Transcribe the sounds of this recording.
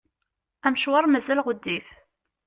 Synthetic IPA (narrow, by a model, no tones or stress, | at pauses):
æmʃwɑɾˤmæzælʁəd̪ːif